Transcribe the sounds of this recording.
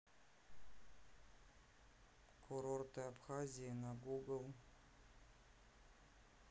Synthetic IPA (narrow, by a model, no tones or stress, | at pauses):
kʰʊɾort̪ɨapχazʲijənaɡuɡəlˠ